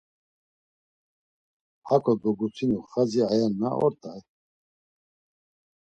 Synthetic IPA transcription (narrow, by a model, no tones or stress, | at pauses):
hakʰɔd̪ɔɡut͡sʰinuχaziajanːa̰ɔ̰ɾt̪ʼaj